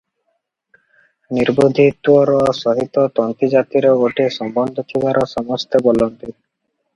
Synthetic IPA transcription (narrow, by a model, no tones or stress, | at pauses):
niɾbod̪ʱit̪wɔɾɔsɔɦit̪ɔt̪ɔnt̪id͡ʒat̪iɾeoʈʰesɔmbɔnd̪ʱokʰibʱaɾɔsɔmɔst̪ebɔlonp̪i